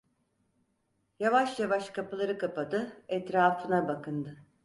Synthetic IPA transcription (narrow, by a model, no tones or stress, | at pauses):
javaʃjavaʃkʰapɯlˠaɾɯkʰapad̪ɯɛt̪ɾaːfɯnabakʰɯnd̪ɯ